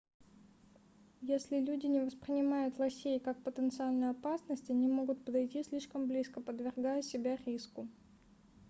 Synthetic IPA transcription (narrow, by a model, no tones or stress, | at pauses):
jesʲlʲɪlʲudʲɪnʲɪvəspɾʲɪnʲɪmajʊt̪lˠɐsʲejkak̚pət̪ənt̪sɨalʲnəjɐpasnəsʲtʲɪnʲɪmo̞ɡʊt̪̚pəd̪ɐjtʲisʲlʲiʂkəmblʲiskəpəd̪vʲɪrɡajʊsʲɪbʲaɾʲiskʊ